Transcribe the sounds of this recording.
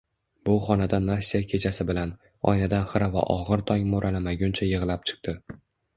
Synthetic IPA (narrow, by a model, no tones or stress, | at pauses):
bʊχɒnad̪anasʲːijakʲʰe̞t͡ʃʰasɪbɪlan | ɒ̰jnad̪anχɨɾava̰ʔɒʁɨɾt̪ʰɒŋʲmoɾʔalamaɡʲʊnt͡ʃʰajɨʁlap̚t͡ʃʰɨ̥q̚t̪ʰɪ